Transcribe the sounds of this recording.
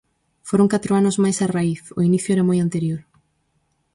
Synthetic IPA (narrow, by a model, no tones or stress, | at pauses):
foɾoŋkat̪ɾʊanʊzmajsaraiθʊ̰iniθjoeɾamojant̪eɾjoɾ